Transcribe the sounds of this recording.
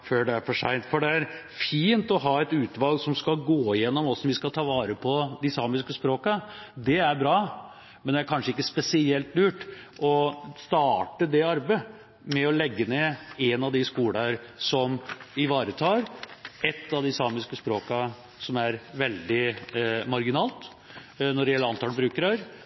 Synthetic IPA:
føːɖɛæɾfɔʂæ̰ɪnt̪fɔɖɛæɾ | fiːnt̪ɔɦɑːɛt̪ʉːt̪ʋɑlɡsɔmskɑlɡoːjɛnːɔmɔsɔmʋɪskɑt̪ʰɑːʋɑːɾəpʰɔd̪ɛsɑːmɪskəspɾoːkɑd̪ɛæɾbɾɑː | mɛnd̪ɛæɾkʰɑnʂəɪkːəspɛsɪɛlt̪lʉːʈʔɔst̪ɑːʈəd̪ɛɑɾbə | mɛɔlɛɡːəneːɛnɑʋd̪ɪskuːlɑɾsɔmɪʋɑːɾət̪ʰɑːɾɛt̪ːɑʋd̪ɪsɑːmɪskəspɾoːkɑ | sɔmæɾʋɛld̪ɪmɑɾɡɪnɑːlt̪ | nɔɖɛjɛlːəɾɑnt̪ɑlbɾʉːkəɾəɾ

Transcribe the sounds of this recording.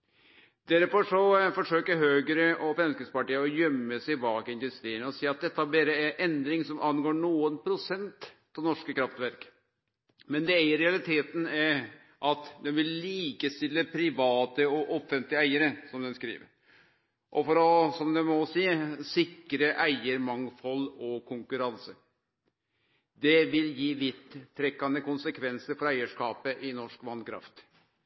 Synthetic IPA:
d̪̥æɾpɔʂɔfɔʂøːkəɦøːɡəɾəʔɔfɾɛmskəspɑʈiːəɾɔjœmːəsɛɪbɑːɡəɪnd̪ʉst̪ɾiːənəɔsiːɑt̪̚d̪ɛt̪ːəhɑbeːɾəæʔɛnd̪ɾɪŋsɔmʔɑnɡoːɳuːənpʰɾʊsɛnt̪ | ɛnɔʂkəkʰɾɑft̪ʋæɾk | mɛnd̪ɛæɪəɾɛɑlɪt̪ʰeːt̪n̩æ | ʔɑt̪d̪ɛnʋɪlːiːkəst̪ɪlːəpʰɾɪʋɑːt̪əɔʔɔfɛnt̪lɪəæɪəɾəsɔmd̪ɛnskɾḭːʋə̰ɾ | ʔɔfɔɾɔsɔmd̪ɛmɔsiːsɪkːɾəʔæɪəɾmɑŋfɔlɔkʰʊŋkʉɾɑnsə | d̪ɛʋɪljiːʋɪt̪ʰːɾɛkːɑnd̪əkʊnsəkʰʋɛnsəɾfɔɾæɪəʂkɑːpəʔɪnɔʂkʋɑnd̪kʰɾɑ̰ft̪

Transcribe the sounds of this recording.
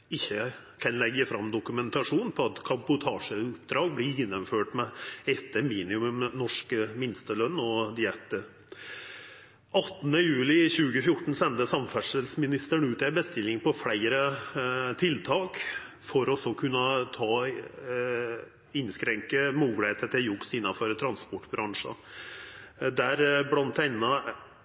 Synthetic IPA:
ɪçːə | kʰɑnlɛɡəfɾɑmd̪ʊkʉmɛnt̪ɑʂuːnn̩pʰɔɑt̪kʰɑbʊt̪ʰɑːʂəʊpd̪ɾɑːɡ̚blɪɾɪnːəmføːʈmɛɛt̪ʰːəmiːnɪʉməmnɔʂkəmɪnst̪əlœnːɔd̪ɪɛt̪ːə | ɑt̪ːnəjʉːlɪçʉːɡəfjʊʈːɳ̩sɛnt̪əsɑmfæʂəlsmɪnɪst̪əɳʉːt̪æbəst̪ɪlːɪŋpʰɔfɽæɪɾə | t̪ʰɪlt̪ʰɑːk | fɔɾɔsɔkʰʉnːət̪ʰɑː | ɪnskɾɛŋkəmuːɡlɪeːt̪ət̪ʰɪljʊksɪnːɑføɾt̪ʰɾɑnspɔʈːbɾɑŋʂə̰ | d̪æɾblɑnt̪ʰæɪnːɑ

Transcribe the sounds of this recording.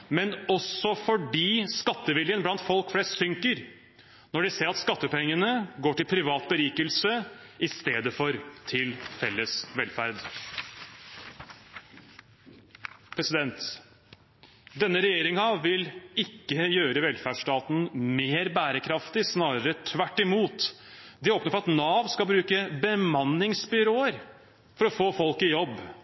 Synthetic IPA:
mɛnɔsɔfɔɖiːskɑt̪ːəʋɪljənblɑnt̪fɔlkfleːsʈsʏŋkəɾ | nɔɖɪseːɾɑt̪skɑt̪ːəpɛŋːənəɡoːʈɪlpʰɾɪʋɑːt̪̚bəɾiːkəlsəɪst̪eːd̪əfɔɾt̪ʰɪlfɛlːəsʋɛlfæɾd̪ | pʰɾɛsɪd̪ɛnt̪ | d̪ɛnːəɾɛjeːɾɪŋɑʋɪlɪkːəjøːɾəʋɛlfæʂʈɑːt̪n̩meːɾbæːɾəkʰɾɑft̪ɪsnɑːɾəɾət̪ʰʋæʈːɪmuːt̪ | d̪ɪoːpnəfɔɾɑt̪nɑːʋskɑbɾʉːkəbəmɑnːɪŋsbʏɾoːəɾ | fɔɾɔfoːfɔlkɪjɔbː

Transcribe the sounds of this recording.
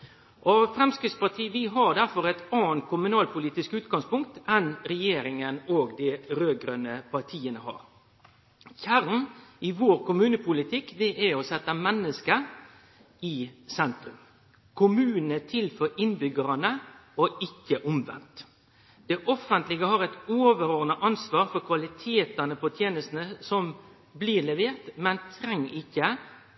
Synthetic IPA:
ʔɔfɾɛmskɾɪt̪spɑʈ̪ʰiːʋɪɦɑɾd̪æɾfɔɾɛt̪ɑːnt̪̚kʰʊmʉnɑːlpʰʊliːt̪ɪskʉːt̪ɡɑŋspʊŋk̚t̪ɛnɾɛjeːɾɪŋənoːɡd̪ɪɾøːɡɾœnəpʰɑʈʰiːənəhɑ̰ːɾ | çæɾnɪʋoːɾkʊmʉːnəpʰʊlɪt̪ʰɪkːd̪ɛʔæɔsɛt̪ːəmɛnːəskə | ɪsɛnt̪ɾʉm | kʰʊmʉːnnət̪ʰɪlfɔːɾɪnbʏɡəɾɑnəɔɪkːəʔʊmʋɛ̰nt̪ | d̪̥ɛʔɔfənt̪lɪɡəhɑɾɛt̪oːʋəɾoːnəʔɑnsʋɑːɾfɔɾkʰʋɑlɪt̪ʰeːt̪ənəpʰɔt̪ʰjeːnəst̪n̩əsɔm | bliːlɛʋeːʁt̪mɛnt̪ʰɾɛŋːɪkːə

